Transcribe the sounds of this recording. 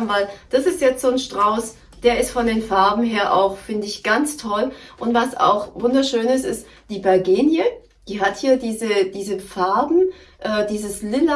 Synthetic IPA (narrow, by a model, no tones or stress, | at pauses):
mvaɪld̥asɪstjɛt͡stz̥oːnʃtʁ̥aʊs | d̥eːɐɪstfɔndeːnfaɐbm̩ɦeːɐʔa̰ʊxfɪndəɪçɡ̥ant͡stʰɔlʔʊntv̥asa̰ʊxvʊndɐʃøːnɪstɪst | d̥iːbɛɐɡeːnjə | d̥iːɦathiːɐdiːzəd̥iːzəfaɐbm̩ | ʔɛːd̥iːzəslɪl